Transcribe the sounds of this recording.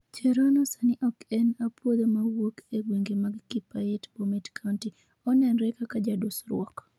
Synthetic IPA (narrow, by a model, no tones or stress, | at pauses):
t͡ʃɛɾɔnɔsaniʔɔkɛnapwod̪omawokeɡweŋɡemaɡːipajetbomɛtkʰanti | ɔnɛnɾɛkakad͡ʒadusɾwɔk